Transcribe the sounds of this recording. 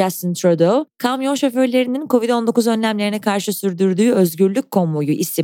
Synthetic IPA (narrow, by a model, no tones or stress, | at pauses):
ast̪ɯnt̪ʰɾod̪okʰamjo̞nʃo̞fø̞ɾlʲe̞ɾininkʰo̞vid̪o̞nd̪o̞kuzø̞nlʲæmlʲe̞ɾinɛkʰaɾʃɯsyɾd̪yɾd̪yːø̞zɟyɾlʲyc̚ʲkʰːo̞mujuʔist̪ʰi